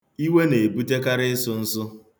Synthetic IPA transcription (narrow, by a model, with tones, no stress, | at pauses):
i˦we˦ne˨bu˦te˦ka˦ɾɪ˦ɪ˦sʊ˦n̩˦sʊ˦